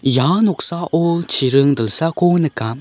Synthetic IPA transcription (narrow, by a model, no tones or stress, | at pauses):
janɔk̚saʔɔt͡ʃʰiɾɯŋdɯlsakɔnɯka